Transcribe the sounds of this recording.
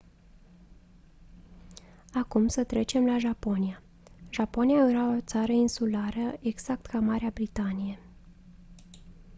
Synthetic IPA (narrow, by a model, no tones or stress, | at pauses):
akumsət̪ɾe̞t͡ʃe̞mlaʒapo̞nia | ʒapo̞nijajeɾao̞t̪saɾəinsulaɾəe̞ɡz̥ak̚t̪kamaɾeabɾit̪anije̞